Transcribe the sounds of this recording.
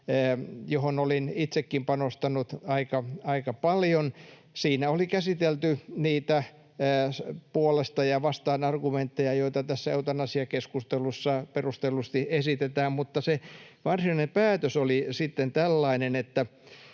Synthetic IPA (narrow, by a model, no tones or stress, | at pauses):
johonolinit̪sekːimpɑnost̪ɑnut̪ɑikɑɑikɑpɑljon | siːnæolikæsit̪elt̪yniːt̪æː | puolest̪ɑjɑʋɑst̪ɑːnɑrɡument̪ːejɑjoit̪ɑt̪æsːæeut̪ɑnːɑsiɑkeskust̪elusːɑperust̪elust̪iesit̪et̪æːmmut̪ːɑseʋɑrsinɑinempæːt̪øsolisit̪ːent̪ælːɑinenet̪ːæ